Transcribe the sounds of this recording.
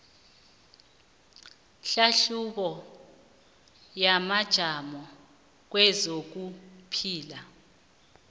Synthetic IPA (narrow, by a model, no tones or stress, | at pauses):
ɬaɬuɓɔ | jamad̥ʒ̥ʱamɔ | k̬wɛzok̬upʰiːla